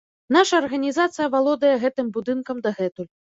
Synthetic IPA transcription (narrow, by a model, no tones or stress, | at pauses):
naʂɐːrɣɐnʲizat̪sɨjɐvalˠɔd̪ɐjɛɣɛt̪ɨmbud̪ɨnkɐmd̪ɐɣɛt̪ulʲ